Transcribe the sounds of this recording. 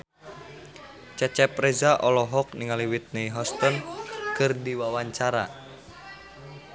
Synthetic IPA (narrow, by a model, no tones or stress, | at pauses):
t͡ʃɛt͡ʃɛpɾɛzaʔɔlɔɦɔk̚niŋaliwit̪̚neiɦɔst̪ɔnkɨrdiwawaɲt͡ʃaɾa̰